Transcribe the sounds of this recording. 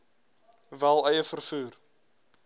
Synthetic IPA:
vælˠœjəfərfuːr

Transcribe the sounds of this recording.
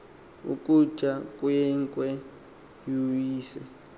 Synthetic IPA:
ṵkʼu̥t͡ʃʼakʼwɛŋkʼwɛ | juwiːsɛ̰

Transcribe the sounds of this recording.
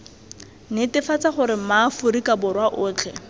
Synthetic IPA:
nɪtɪfat͡saχʊɾɪmafʊɾikabʊrwaʔʊːt͡ɬʰɛ

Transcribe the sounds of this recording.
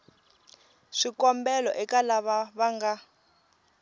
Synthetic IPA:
ʂikɔmbɛlɔʔɛkalaβaβaŋɡa

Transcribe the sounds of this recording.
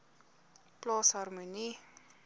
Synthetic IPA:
plɔshɔrmuni

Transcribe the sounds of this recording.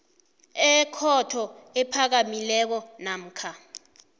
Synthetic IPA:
ɛkʰɔtʰɔɛpʰak̬amilɛk̬ɔnam̩ːkʰa

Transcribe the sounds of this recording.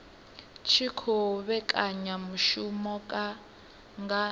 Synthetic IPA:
t͡ʃʰikʰɔβɛkʼaɲamuʃumɔkʼa | ŋɡa

